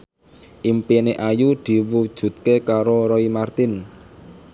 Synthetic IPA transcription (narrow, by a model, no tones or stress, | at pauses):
ʔimpineʔajud̪̥i̤wud̥ʒ̥ṳt̪̚kekaɾoɾɔimart̪ɪn